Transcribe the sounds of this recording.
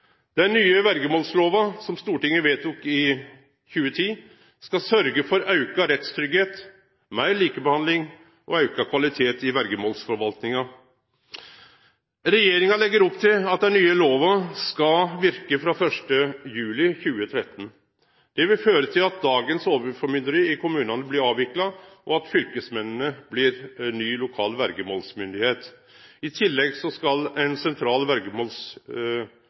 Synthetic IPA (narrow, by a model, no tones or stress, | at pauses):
d̪ɛnnːyːəʋæɾɡəmoːlsloːʋɑsɔmst̪uːʈɪŋːəʋeːt̪ʊkɪ | çʉːət̪ʰiː | skɑsœɾɡəfɔɾɑʉkɑɾɛt̪st̪ʰɾʏɡheːt̪ | mæɪɭiːkəbəhɑnd̪lɪŋ | ʔɔɑʉkɑkʰʋɑlɪt̪ʰeːt̪ɪʋæɾɡəmoːlsfɔɾʋɑlt̪nɪŋɑ | ɾɛjeːɾɪŋɑlɛɡːəɾɔpt̪ʰɪlɑt̪̚d̪ɛnyːəloːʋɑskɑlʋɪɾkəfɾɑfœʂʈəjʉːlɪçʉːət̪ʰɾɛt̪ːən̩ | d̪̥ɛʋɪlføːɾət̪ʰɪlɑt̪̚d̪ɑːɡənsoːʋəɾfɔɾmʏd̪əɾəɪkʊmʉːnɑnəblɪɾɑːʋɪklɑʔɔɑt̪fʏlkəsmɛnənəblɪɾnyːlʊkʰɑːlʋæɾɡəmoːlsmʏnd̪ɪheːt̪ | ɪt̪ʰɪlːɛɡsɔskɑlɛnsɛnt̪ʰɾɑːlʋæɾɡəmoːls